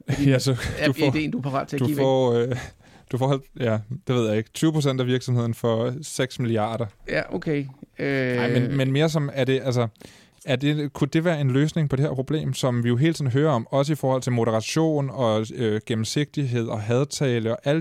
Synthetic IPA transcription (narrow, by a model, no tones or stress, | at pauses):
jæsɒde̝̰ːnd̥upʰɑ̈ʁɑ̰̥̈ːt͡sʰed̥ufɒø | d̥ufɒːhæl̰d̥jæd̥e̝ʋe̝ð̞̰ˠjɑ̈e̝ɡ̥t͡sʰyːʊəpʰʁosen̰d̥æʋiɐɡ̥sɒ̽mhe̝ð̰ˠn̩fɒ̽seɡ̥smiliɑ̰̈ːɾ̥ɐjæʔokʰeønɑ̈ɪ̰menmenme̝ːɐs̬ɒ̽mæɐd̥e̝ʔæls̬ɐ | æɐde̝kʰud̥e̝ʋæːɐe̝nløːsne̝ŋpʰɒd̥e̝heɐpʰʁo̝b̥le̝̰ːmsɒ̽mʋijo̝ɦe̝̰ːlt͡sʰiðˠn̩ɦøːɐɒ̽mɒ̽s̬əifɒːhɒ̽l̰t͡sʰe̝lmo̝ɾəʁɑ̈ɕo̝̰ːnɒ̽øɡ̥emm̩se̝ɡ̥̚d̥iɦe̝ð̰ˠɒ̽ɦɛð̞ˠt͡sʰɛːləɒ̽ʔæl̰